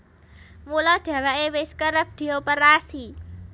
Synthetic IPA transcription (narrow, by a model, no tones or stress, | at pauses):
mulɔd̪̥ä̤waʔewɪskəɾəb̚d̪̥i̤opəɾasi